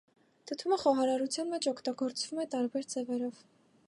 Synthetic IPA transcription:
t̪ʰət̪ʰuməχɔɦɑɾɑɾut͡sʰjɑnmɛt͡ʃʰɔkʰt̪ɑɡɔɾt͡sv̥umɛt̪ɑɾbɛɾd͡zɛvɛɾɔv̥

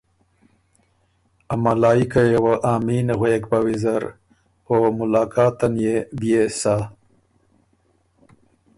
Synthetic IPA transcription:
amalɑːikajewəʔaːminɣweːkbawizaɾ | omʊlɑːkʰɑːt̪anjebjesa

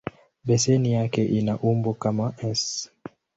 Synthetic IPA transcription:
ɓɛsɛnijakɛʔinaʔumbɔkamaɛs

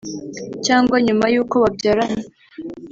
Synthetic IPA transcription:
caːŋɡwaɲumajuːko̞βabɟaːɾamo

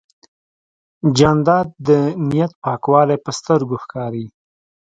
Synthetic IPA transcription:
d͡ʒɑnd̪ɑd̪̚d̪ənijat̪̚pɑkwɑlepəst̪əɾɡoxkɑɾi

